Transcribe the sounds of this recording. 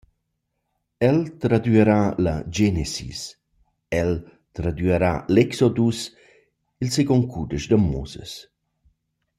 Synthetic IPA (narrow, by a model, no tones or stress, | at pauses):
ɛlt̪ɾad̪yɛɾalad͡ʒɛnesḭs | ɛl | t̪ɾad̪yəɾalɛksɔd̪us | ilseɡɔŋkud̪əʃd̪əmːuzə̰s